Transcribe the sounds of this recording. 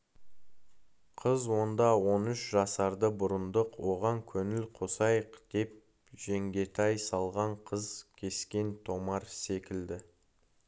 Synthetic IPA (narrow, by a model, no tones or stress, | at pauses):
qʰəzwo̞nd̪ɑwo̞nʏʃʒɑsɑɾd̪əbʊɾənd̪əqwo̞ʁɑŋkʲʰɵnɪlqʰosɑjəqd̪̥e̞p̚ | ʒ̥e̞ŋɡʲe̞t̪ʰɑjsɑlˠʁɑɴqʰəzkʲʰe̞skʲe̞nt̪ʰo̞mɑɾse̞kʲɪld̪ɪ